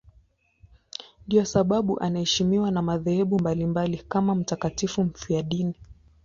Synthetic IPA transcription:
ndijɔsaɓaɓuʔanahɛʃimiwanamaðɛhɛɓumbalimbalikamam̩takatifum̩fiaɗini

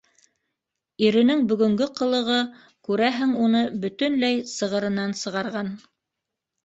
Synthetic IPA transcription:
iɾɘ̆nɘŋbɵ̆ɡɵ̆ŋɡɘqɤ̆lˠɤ̆ʁɤ | kʉɾæɦɘŋunɤbɵ̆t̪ɵ̆nlæjsɤ̆ʁɤ̆ɾɤ̆nɑnsɤ̆ʁɑɾʁɑn

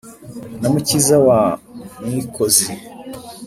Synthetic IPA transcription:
namucizawamwikozi

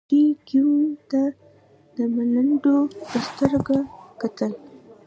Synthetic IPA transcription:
ikut̪a | d̪əmaləɳɖopəst̪əɾɡakat̪əl

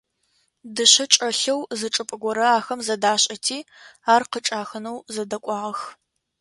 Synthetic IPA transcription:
dɨɕɐʈ͡ʂʼɐɬɐwzɨʈ͡ʂʼɨpʼɨɡʷɔɾɐaːxɐmzɐdaːɕʼɐtʰiː | aːrqəʈ͡ʂʼaːxɨnɐwzɐdɐkʷʼɑːʁɐx

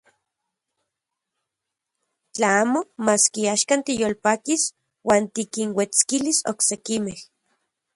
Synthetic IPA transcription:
t͡ɬaaːmomaːskiaːʃkant̪ijolpaːkis | waːnt̪ikinwet͡skiliso̰ksekimeh

